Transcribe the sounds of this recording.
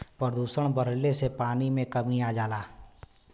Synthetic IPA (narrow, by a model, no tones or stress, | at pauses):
pəɾd̪uːsəɽ̃bəɾlesepaːnimẽkəmiaːd͡ʒaːlaː